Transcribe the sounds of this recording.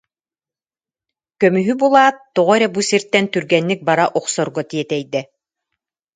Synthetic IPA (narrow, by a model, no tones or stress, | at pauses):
kœmyɦybulˠaːt̪ːɔʁɔɾɛbusiɾt̪ɛnt̪yɾɡɛnːik̚baɾaʔɔqsɔɾɡɔt̪iɛt̪ɛjd̪ɛ